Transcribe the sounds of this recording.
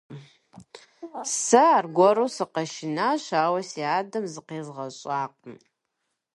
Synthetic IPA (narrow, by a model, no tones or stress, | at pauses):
sɐaːrɡʷɔɾoːsɨqɐʃɪnaːɕaːwɐsiaːdɐmzɨqeːzʁɐɕʼaːqʼəm